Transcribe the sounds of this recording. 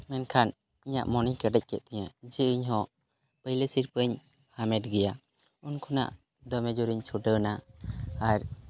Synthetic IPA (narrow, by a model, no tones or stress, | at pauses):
mɛnkʰan | iɲa̰ʔmɔnikəɖɛc̚ˀkɛʔ̪̚t̪ɛɲad͡ʒɛiɲɦɔ̃ | pəjlesiɾpəɲ | hamɛʈɡɛja | unkʰuna̰ʔ | d̪ɔmɛd͡ʒɔɾiɲt͡ʃʰuɖənaː | ɾ